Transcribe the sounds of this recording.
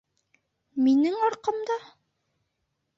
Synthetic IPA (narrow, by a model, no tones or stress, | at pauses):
minɘŋɑɾqɤ̆md̪ɑ